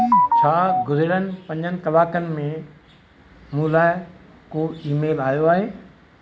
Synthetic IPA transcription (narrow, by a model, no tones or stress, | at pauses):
t͡ɕʰaːɡʊzɪɽənɪ̆pɐ̃ɲd͡ʑənɪ̆kɐʋaːkənɪ̆mẽ | mũːlaːɪ | koːiːmeːlaːjoaːɦeː